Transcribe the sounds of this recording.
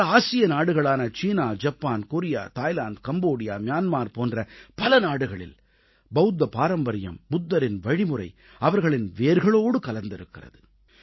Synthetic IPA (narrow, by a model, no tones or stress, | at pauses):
ɐaːsɪjɐnaːɽɯɣɐɭaːnɐt͡ʃiːnaːd͡ʒɐpːaːnkoɾɪja̰ːt̪aːjlaːnd̪kɐmboːɽɪjaːmjaːnmaːɾpoːndrɐpɐlɐnaːɽɯɣɐɭɪ̰l | bɐʊd̪ːɐpaːɾɐmbɐɾɪjɐ̰mːʊd̪ːɐɾɪnʋɐɻɪmɯɾɐ̰ɪ | ɐʋɐɾɣɐɭɪnʋeːɾɣɐɭoːɽɯkɐlɐnd̪ɪɾɯkːɪrɐ̰ðɯ